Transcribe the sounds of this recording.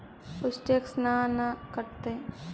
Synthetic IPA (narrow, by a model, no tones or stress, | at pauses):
ʊsʈeksnanakəɾt̪e